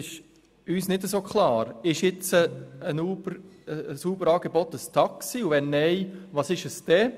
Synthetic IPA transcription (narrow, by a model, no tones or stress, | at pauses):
ɪʃ | yːsnɪdəsoːkχlɑːɾɪʃɪt͡səənuːbəɾsuːbəɾɑːɡ̥ebɔt̪əst̪ʰɑksiːuʋɛnːɛɪʋɑːsɪʃəsd̪̥ɛ